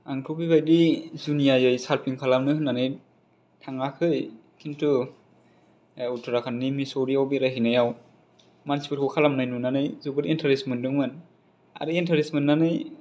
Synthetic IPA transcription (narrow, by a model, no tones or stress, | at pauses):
aŋtʰubibajdizunijajɯjsaɾpʰiŋkʰalamnɯhɯnːanɯj | tʰaŋakʰɯj | kʰintʰɯ | utʰɯɾakʰannimisowɾiawbiɾaɦinajaw | mansi̥pɯtʰɔwkʰalamnɯjnunanɯjzubɯɾentʰaɾesmɯndɯŋmɯn | a̰ɾɯentʰaɾismɯnːanɯj